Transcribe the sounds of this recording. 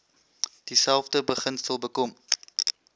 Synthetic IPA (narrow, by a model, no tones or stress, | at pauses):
d̥isælˠfdəbəχənstəlˠbəkɔm